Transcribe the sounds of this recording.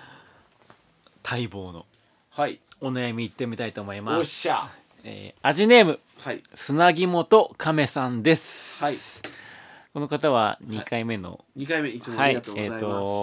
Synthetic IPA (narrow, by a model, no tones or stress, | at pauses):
t̪ʰaibo̞ːno̞̰ | onajamʲiːt̪ːe̞mʲit̪ait̪o̞ːmo̞imasa | ḛːaʑine̞ːmɯ̟ | sɨnaɡʲimo̞t̪o̞kʰame̞sãnd̪e̞sɨ̥ | ko̞no̞kat̪aβ̞a̰ɲ̟ikaime̞no̞̰ | ɲikaimehaieːt̪ːo